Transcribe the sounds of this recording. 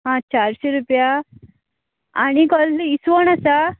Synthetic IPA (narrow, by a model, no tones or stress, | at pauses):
ɦãt͡ɕaɾɕeɾupja | anikɔlːisʋɔñasa